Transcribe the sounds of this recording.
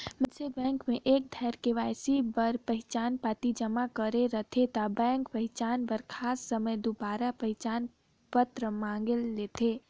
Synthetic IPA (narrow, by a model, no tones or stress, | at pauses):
məsebɛ̃ːŋkmẽʔeːk̚d̪ʱaɪɾkeʋaɪsibəɾpəɦɪt͡ʃaːnpat̪id͡ʒəmakəɾeɾət̪ʰet̪abɛ̃ːŋkpəɦɪt͡ʃaːnbəɾkʰaːsːəməjd̪ubaːɾapəɦt͡ʃaːn | pət̪ɾəmãŋɡelːet̪ʰe